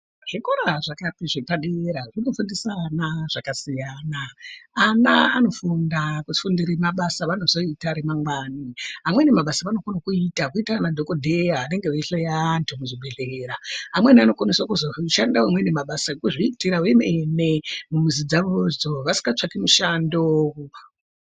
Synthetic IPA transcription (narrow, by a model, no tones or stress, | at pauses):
ʐ̥ikoɾaʐakatiʐepaɗeɾaʐinofundisanaʐ̥akasijaːnaana̰ano̞fundakufundiɾemaɓasaʋano̞zo̞itaɾemaŋɡwaːniɦamwenemaɓasaʋano̞konokuitakuitaranadʱo̞kodʱeaːne̞ŋɡeeiɬejantʰumuʐibʱe̞ɮeɾaamweniano̞kwaniswakuzoʃandawamwenemaɓasakuʐiitiɾawemenemumuzid͡zaʋozoʋasi̥ŋɡat͡ʂakimuʃando